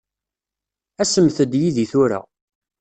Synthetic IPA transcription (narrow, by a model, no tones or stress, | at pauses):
æsəmθəd̪jiðiθʊɾa̰